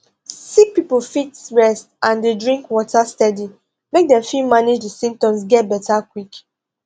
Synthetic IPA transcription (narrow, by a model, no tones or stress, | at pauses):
sik̚piplfitɹɛstãndedɹĩŋkwɔtʰastɛdi | mek̚dɛ̃mfilmaned͡ʒdisĩm̚tɔ̃ms̬ɡɛt̚bɛtʰakwik